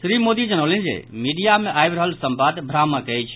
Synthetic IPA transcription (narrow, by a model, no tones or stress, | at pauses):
sɾimod̪id͡ʒənəwlənd͡ʒḛmiɖijameʔajbɾəɦəlsəmbad̪bʱɾamakəjt͡ʃʰ